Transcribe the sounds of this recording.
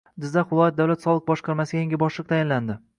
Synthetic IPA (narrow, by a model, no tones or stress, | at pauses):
d̪ɪzaʊlˠɒjat̪̚d̪awlat̪sɒlˠɨq̚bɒʃqʰɑɾmasɪɡʲajeŋʲɪbɒʃlˠɨq̚t̪ʰajɪnland̪ɪ